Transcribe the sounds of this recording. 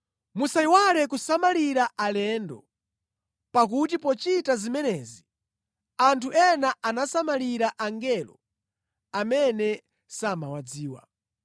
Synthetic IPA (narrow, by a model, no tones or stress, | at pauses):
musaiwalɛkusamaliɾaʔalɛndɔ̰ | pak̬ut̬ipɔt͡ʃitazimɛnɛːzi | antʰuʔɛnaʔanasamaliɾaʔaŋɡɛlɔ̰ | amɛnɛ | samawad͡ziːwa̰